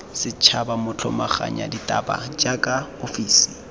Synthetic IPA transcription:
sɪt͡ʃʰabamʊt͡ɬʰɔ̰maχa̰ɲa̰ditʼa̰ba̰d͡ʒakʼaofiːsi̥

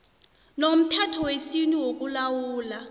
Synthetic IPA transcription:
nom̩tʰatʰɔwesinuwok̬ʼulawuːla

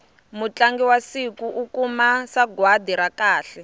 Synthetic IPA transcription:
mut͡ɬaŋɡiwasikuʔukumasaɡwadiɾakaːɬɛ

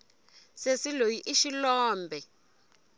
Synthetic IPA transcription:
sesilojiʔiʃilɔːmbʱɛ

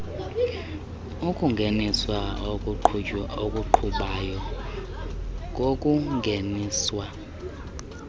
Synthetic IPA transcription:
ukʼuŋɡʱeniswaok̬ʼuokʼuǃʰuɓajɔ | k̬ʼok̬ʼuŋʱeniːswa

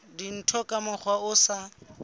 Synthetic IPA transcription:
din̩tʰɔkʼamʊk͡xʰwaʊsa

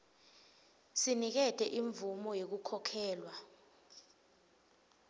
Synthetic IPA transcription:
sinik̬ɛtʰʼɛʔiɱvumɔjek̬ukʰɔkʰɛːlwa

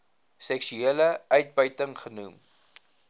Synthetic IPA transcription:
sɛksyeːləœɥt̚bəɥtəŋχənum

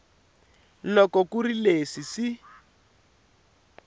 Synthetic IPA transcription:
lɔkɔkurilesisi

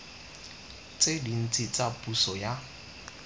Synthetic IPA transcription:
t͡sedin̩t͡sʼit͡sʼapʼusɔja

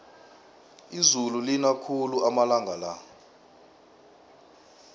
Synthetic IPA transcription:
izululinakʰuluʔamalaŋʱala

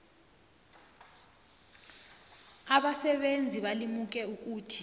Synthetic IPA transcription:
aɓasɛɓend͡zʱiɓalimuk̬ɛuk̬uːtʰi̥

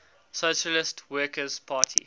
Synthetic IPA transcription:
soʃəlɪstwɜːˑkəz̥pʰaːtʰḭ

